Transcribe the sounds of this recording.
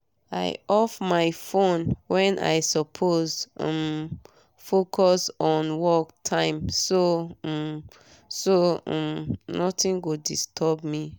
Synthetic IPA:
a̰ɪɔfmaɪfõnwɛ̃nʔa̰ɪsɔpʰozm | fokʰɔsɔ̃nwɔktʰãɪ̃msom | sõ̰mnɔtĩnɡodistʰɔbmi

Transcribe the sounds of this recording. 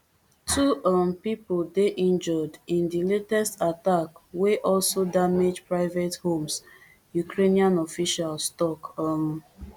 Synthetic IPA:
tʰuɔmpipodeʔĩnd͡ʒɔdĩndiletɛstatakweʔɔlsodamed͡ʒpɹaɪvethõms | jukɹeniãnɔfiʃalstɔkɔm

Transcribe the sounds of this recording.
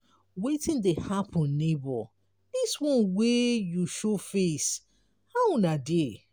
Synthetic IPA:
wetĩndehapʰɔ̃nːebɔ | diswɔ̃nwejuʃofes | haɔ̃nade

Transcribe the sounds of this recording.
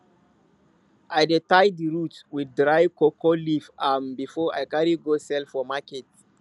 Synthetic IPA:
ʔajdetajdiɹutwiddɹaɪvkokɔlifãnbifɔajkaɹiɡosɛlfɔmakɛt

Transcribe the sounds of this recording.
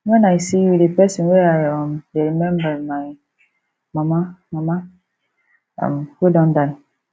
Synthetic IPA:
wɛ̃naɪsijudepɛsɔ̃nweaɪɔ̃mdeɾimɛ̃mbaɾmaɪ | mãmamãma | a̰mwedɔ̃ndaɪ

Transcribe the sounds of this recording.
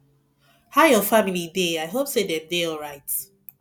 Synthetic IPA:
haʊjɔfamilideaɪɦopsedɛ̃mdeɔlɹaɪt

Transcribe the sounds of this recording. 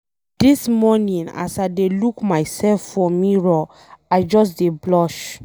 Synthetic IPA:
d̥ismɔnĩna̰saɪdelukmajsɛlfːɔmiɹɔ | ajd͡ʒɔs̬deblɔʃ

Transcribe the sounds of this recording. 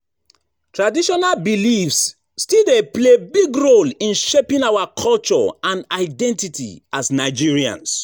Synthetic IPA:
tʰɹadiʃɔnalbilifsː | tildeplebiɡɹolĩnʃepĩnawakʰɔlt͡ʃɔ̰ãnaɪdɛ̃ntitʰḭasnaɪd͡ʒiɹiã̰ns

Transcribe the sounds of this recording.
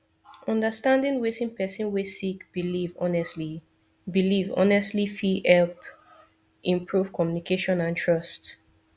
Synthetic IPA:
ʔɔ̃ndəstãndĩnwesĩnpʰɛsĩnwesikbilivɔnɛsli | bilivɔ̰nɛstlifiɛlp | ʔĩmpʰɹuv̥kʰɔmjunikʰeʃɔ̃nãntʰɹɔst

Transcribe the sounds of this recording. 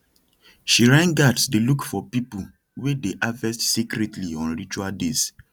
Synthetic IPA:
ʃiɹãnɡadsdelukfɔpipu | wedeʔavɛstsikɾɛtʰliɔ̃nɹit͡ʃualdes

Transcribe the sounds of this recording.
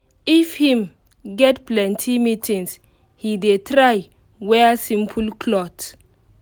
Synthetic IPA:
ifhĩm | ɡɛtplɛ̃ntʰimitʰĩŋs | hidetʰɾaj | wɛasĩmpʰulkʰlɔt

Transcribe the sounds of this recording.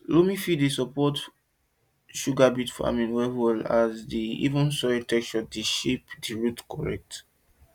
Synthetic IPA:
lumĩfidesɔpɔt | ʃuɡabitfa̰mĩnwɛhɛlazdiḭvũnsɔitɛk̚t͡ʃɔdiʃipdiɹutkɔɹɛ̰k̚t

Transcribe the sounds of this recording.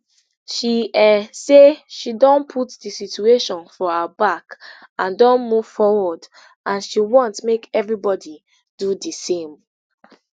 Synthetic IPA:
ʃiɛseʃidɔ̃npʰutdisit͡ʃueʃɔ̃nfɔabak | ãndɔ̃nmuv̥fɔwɔd | ʔãnʃiwɔ̃ntmekɛvɹibɔdi | d̥udisẽm

